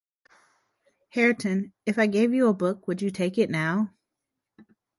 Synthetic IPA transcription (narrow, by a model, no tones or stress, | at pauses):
hɛɹɨtʰɨ̃nɨfaɪɡeɪvjɨəbʊkwɨd͡ʒɨtʰeɪkɨtⁿnaʊ